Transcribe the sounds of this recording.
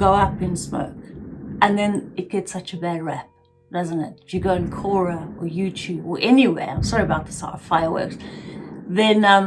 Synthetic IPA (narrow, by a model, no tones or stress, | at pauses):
ɡ̥oʊʌpɪ̃nsmo̰ʊk̚ʔə̃nðɨ̃nɨt̚ɡ̥ɛtsʌt͡ʃəbɛɹɛp̚ | d̥ʌzə̃nɪt̚ɨɡoʊɪ̃nkʰɔɹəəjʉtʰʉːbə˞ʔɛniwḛɪãɪ̃msɑɹiəbaʊt̪̚ðə̥sɑ̰ɾəv̥faɪəwɜ̰ˑks | ðɨ̃nʌ̃m